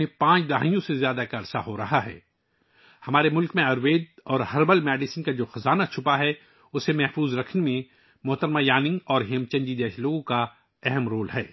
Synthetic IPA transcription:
ẽpãːt͡ʃd̪ɐɦa̰ːijõsezjaːd̪akɐɾsaɦoɾɐɦaɦɛ̰ː | hɐmaːɾemʊlkmẽɐɾʋeːd̪̚ɔːɾɦɐɾbəlmɛːɖɪsənkad͡ʒoːxɐzaːnat͡ʃʰʊpaɦɛ | ʊsːemɛɦfuːzɾɐkʰnemẽ | mʊɦt̪əɾmajaːnɪ̃ŋɡɔːɾɦeːmt͡ʃɐ̃ɲd͡ʒid̪eːʃloːɡõka | ɛɦɛmɾoːlɦɛː

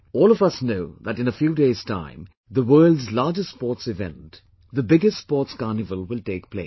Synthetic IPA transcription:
ɔːlɔvʌsnoʊðætɨ̃nəfjuːdeɪz̥tʰã̰ɪ̃m | ðəwɜːldzlaːd͡ʒəstspɔːtsɪvɛ̰̃nt | ðəbɪɡɨstspɔːtskɑnɨvəlˠwɪlteɪk̚pʰlḛɪ

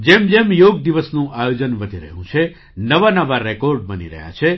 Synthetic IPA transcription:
d͡ʒemd͡ʒemjoɡd̪iʋəsnũʔajod͡ʒənʋəd̪ʱiɾə̰ɦjṵ̃t͡ʃʰe | nəʋanəʋaɾɛkoɾɖ̚bənḭɾə̰ɦja̰t͡ʃʰe

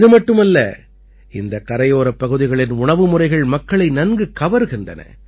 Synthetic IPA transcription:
ðɯmɐʈːɯmɐlːɐ̰ | ɪnd̪ɐkɐɾɐjoːɾɐpːɐɣɯðɪɣɐɭɪnʊɳɐʋɯmʊrɐɪɣɐɭmɐkːɐɭɐɪnɐnɡɯkːɐʋɐɾɯɣɪndrɐ̰nɐ̰

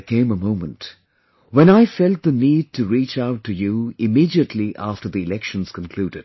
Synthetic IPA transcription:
kʰẽɪ̃məmõʊ̃mə̃nt | wə̃ñaɪfɛlˠt̪̚ðɨniːd̚tʰɨɹit͡ʃaʊtʰːɨjuɪmiːɾiətʰˡliʔæftə˞ðiɪlɛkʃə̃nz̥kə̃nkʰl̥uːdɨd̥

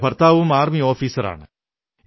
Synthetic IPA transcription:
pɐrt̪aːʋumaːɾmioːfiːsɐɾa̰ːɳɨ

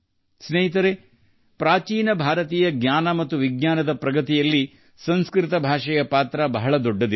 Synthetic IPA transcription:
sneɦit̪̬ɐɾe | pɾaːt͡ʃiːnɐbʱaːɾɐt̪iːjɐɡɲʲaːnɐmɐt̪ːuʋiɡɲaːnɐd̪ɐpɾɐɡɐt̪ijɐlːi | sɐnskɾɪt̪ɐbʱaːʂɐjɐpaːt̪ɾɐbɐɦɐɭɐd̪ɔɖːɐd̪i

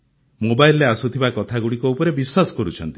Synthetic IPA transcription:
mobajlːeasut̪ʰibakɔt̪ʰaɡuɽikɔupɔɾebiswasɔ̥kɔɾut͡ʃʰɔ̰nt̪i̥

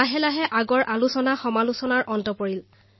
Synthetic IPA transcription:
aɦɛlaɦɛʔaɡɔɹʔalusɔnaxɔmalusɔnaɹʔɔntɔpoɹil

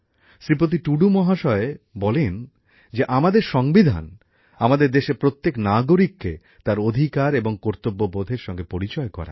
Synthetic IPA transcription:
ʃɾipɾot̪̬iʈuɖumɔɦaʃɔebɔlen | d͡ʑeʔamad̪eɾʃɔŋbid̪ʱa̰n | amad̪eɾd̪eʃepɾot̪ːeknaɡoɾikːḛ | t̪aɾod̪ʱikaɾeboŋkoɾt̪obːobod̪ʱeɾʃɔŋɡepoɾit͡ɕɔekɔ̰ɾa̰

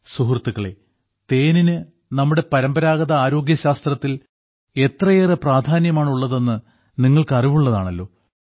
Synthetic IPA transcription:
suɦrt̪ːuɣɐɭe̞̰ | t̪e̞ːninɨ | nɐmːuɽe̞pɐɾɐmbɐɾaːɣɐðɐaːɾo̞ːɡjɐɕaːst̪rɐt̪ːil | e̞t̪rɐjerepraːd̪ʱaːnjɐmaːɳuɭːɐðe̞nːɨ | niŋːɐɭkɨɐriʋuɭːɐðaːɳɐlːo̞ː

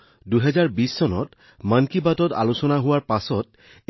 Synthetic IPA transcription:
duɦɛzaɹbisːɔnɔ̰t | mankibatɔta̰lusɔnaɦʊwaɹpasɔt̚

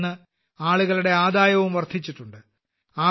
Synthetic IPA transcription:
ɨ | aːɭuɣɐɭuɽe̞aːd̪aːjɐʋumʋɐrd̪ʰʱit͡ɕːiʈːuɳɖɨ | aː

